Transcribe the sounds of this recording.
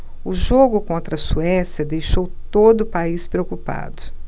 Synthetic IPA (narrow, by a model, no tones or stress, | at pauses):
ʊʒoɡʊkõnt̪ɾɐsuɛsjɐd̪ejʃowt̪od̪ʊpaispɾeokupa̰d̪ʊ